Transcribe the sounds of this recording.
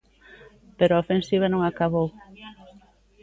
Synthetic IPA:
peɾoaofẽnsiβ̞ɐnõŋakaβow

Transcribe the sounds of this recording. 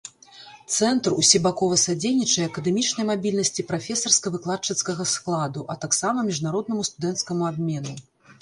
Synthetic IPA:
t̪sɛnt̪rṵsʲibakɔvɐsad͡zʲejnʲit͡ʂɐjɛɐkɐd̪ɛmʲit͡ʂnɐjmabʲilʲnɐsʲt͡sʲipɾafʲɛsɐrskɐvɨklˠat͡ʂɐt̪skɐɣɐsklˠad̪uʔɐt̪aksamɐmʲiʐnaɾɔd̪̚nɐmust̪ud̪ɛnt̪skɐmuabʲmʲɛnu

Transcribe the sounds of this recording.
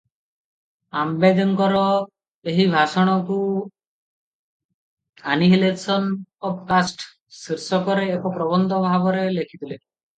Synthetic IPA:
ambed̪ɔŋkɔɾɔ | eɦibʱasɔɽ̃ɔku | aniɦilesɔnɔpkasʈ | siɾsɔkɔɾeːkɔpɾɔbɔnd̪ɔbʱabɔɾelekʰit̪ile

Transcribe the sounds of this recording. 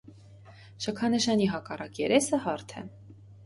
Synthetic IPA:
ʃəkʰɑnəʃɑniɦɑkɑrɑkjɛɾɛsəhɑɾt̪ʰɛ̰

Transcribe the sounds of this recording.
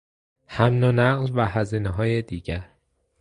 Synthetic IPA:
hæmnonæɢlvæhæziːneɦɒːjed̪iːɟæɾ

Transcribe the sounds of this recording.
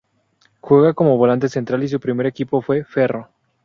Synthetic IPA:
xwe̞ɣako̞moβo̞lant̪e̞se̞nt̪ɾalis̬upɾime̞ɾe̞kipo̞fwe̞fe̞ro̞

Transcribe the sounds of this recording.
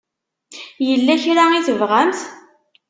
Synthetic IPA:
jəlːæçɾaiθəvʁæmθ

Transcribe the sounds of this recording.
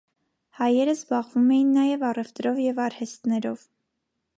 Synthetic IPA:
hɑjɛɾəzbɑʁvumɛjinːɑjɛvɑrɛft̪ɾɔvjɛvɑɾhɛst̪nɛɾɔv

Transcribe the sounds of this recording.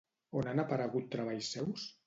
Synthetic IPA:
onanapaɾəɣut̪ːɾaβ̞aʎsːɛws

